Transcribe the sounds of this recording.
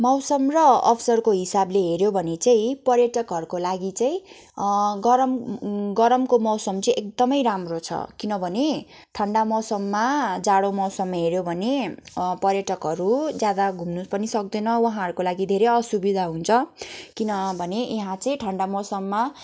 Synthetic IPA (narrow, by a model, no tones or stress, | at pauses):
mʌwsʌmrʌʌ̰pʰsʌrkoɦisableɦeɾjobʱʌnet͡saĩpʌrjʌʈʌkɦʌɾukolaɡit͡saĩ | ɡʌɾʌmɡʌɾʌmkomʌwsʌmt͡sʌĩʔek̚d̪ʌmʌjɾamrot͡sʰʌ̰kinʌbʱʌne | ʈʰʌɳɖamʌwsʌmːad͡zaɽomʌwsʌmːɦeɾjobʱʌnepʌrjʌʈʌkɦʌɾud͡zjad̪aɡʱumnupʌnisʌk̚d̪ʌnʌwʌɦãɦʌɾukolaɡid̪ʱeɾeʌsubid̪ʱaɦunt͡sʰʌkinʌbʱʌneʔeɦãt͡saĩʈʰʌɳɖamʌwsʌmːa